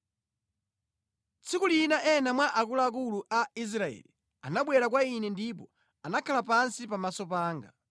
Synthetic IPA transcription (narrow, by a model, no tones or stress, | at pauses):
t͡sʰikulinaʔɛnamwaʔakulaːk̬uluʔais̬ɾaɛ̰li | anaɓwɛɾak̬wainɛndip̬ɔ | anakʰalapansipamasɔpaːŋɡa